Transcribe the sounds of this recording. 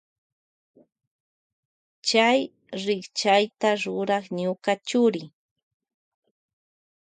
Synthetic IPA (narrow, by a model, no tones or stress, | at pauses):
t͡ʃaj | ɾɪkt͡ʃajt̪aɾʊɾɑχɲʊkat͡ʃʊɾɪ